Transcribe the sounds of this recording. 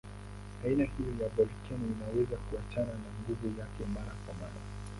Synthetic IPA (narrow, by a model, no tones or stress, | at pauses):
ainahijɔjabɔlikʰɛninawɛzakuat͡ʃananaŋɡuvujakɛmaɾakwamaɗa̰